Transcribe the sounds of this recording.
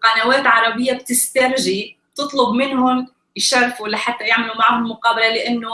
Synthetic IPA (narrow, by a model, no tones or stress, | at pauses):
qɑnaweːt̪ʕɑɾˤɑbɪjːab̚t̪ɪst̪aɾˤʒi | t̪ɨt̪ˤlʊbmɪnhʊm | jʃɑɾˤfulaħat̪ːajaʕmalumaʕhʊmːʊqɑːbalalɪʔanːʊ